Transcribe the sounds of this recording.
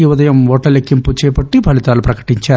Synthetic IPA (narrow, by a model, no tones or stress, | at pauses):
iʋɐd̪ɐjɐmʋɔːʈːɐlekːimput͡ʃɛːjpɐʈːipɐlit̪aːlupɾɐkɐ̥ʈiɲt͡ʃaː